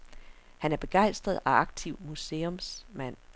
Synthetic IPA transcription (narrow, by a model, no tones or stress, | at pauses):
hænæɐb̥e̝ɡ̥ɑ̈ɪ̰sd̥ʁɐð̞̩ˠæɑ̈ɡ̥̚t͡sʰiʊ̰muse̝ːɔmsmæn̰